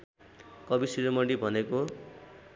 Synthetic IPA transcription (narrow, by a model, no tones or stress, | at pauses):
kʌbisiɾomʌɽibʱʌneko